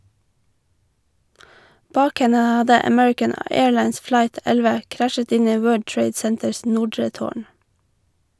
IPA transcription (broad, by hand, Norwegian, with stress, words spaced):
ˈbɑːk ˈhɛnə ˈhɑdə əˈmɛɹɪkən ə ˈeːɹˌlɑɪns ˈflɑɪt ˈɛlʋə ˈkɾæʃət ˈɪn ˈiː ˈwɜːɖ ˈʈɹeɪd ˈsɛntəɹs ˈnʊɖɹə ˈtoːɳ